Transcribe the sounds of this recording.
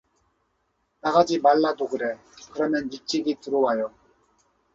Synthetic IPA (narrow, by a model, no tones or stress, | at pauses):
naɡad͡ʑimaɭːadoɡɯɾe̞ | kɯɾʌmjʌnːit͡ɕ͈iɡituɾowajo